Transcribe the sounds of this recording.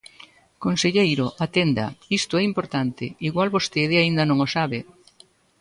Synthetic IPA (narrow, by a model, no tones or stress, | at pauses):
konseʎejɾʊʔat̪end̪ɐ̰ist̪ʊɛimpoɾt̪ant̪ɪ̰iɣwalβost̪eðɪaind̪ɐnõŋosaβɪ